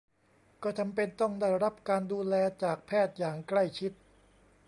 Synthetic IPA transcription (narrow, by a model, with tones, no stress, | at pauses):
kɔː˥˩t͡ɕa˧mpe˧nt̪ɔ˥˩ŋdaː˥˩jɾa˦˥p̚kaː˧nduː˧lɛː˧t͡ɕaː˨˩k̚pʰɛː˥˩t̪̚jaː˨˩ŋkla˥˩jt͡ɕʰi˦˥t̪̚